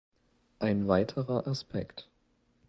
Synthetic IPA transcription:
ʔaɪnvaɪtʰəʁɐʔaspʰɛkt

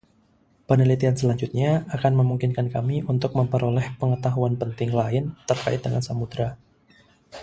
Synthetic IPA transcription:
pənilit̪iansəlaɲd͡ʒut̪̚ɲaakanməmuŋkɪnkankamiunt̪ʊk̚məmpəɾolɛhpəŋət̪aɦuanpənt̪ɪŋlaɪnt̪ərkaɪt̪̚dəŋansamud̪ɾa

